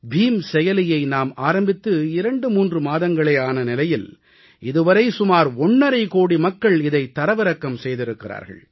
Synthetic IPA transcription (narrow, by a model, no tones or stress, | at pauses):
bʱiːmsɛjɐlɪjɐɪnaːmaːɾɐmbɪt̪ːɯɪɾɐɳɖɯmuːndrɯmaːðɐŋɡɐɭɐɪaːnɐnɪlɐjɪl | ʔɪðɯʋɐɾɐɪsʊmaːɾɔɳːɐɾɐɪkoːɽimɐkːɐɭɪðɐɪt̪ːɐɾɐʋɪɾɐkːɐmsɛjðɪɾɯkːɪra̰ːɾɣɐ̰ɭ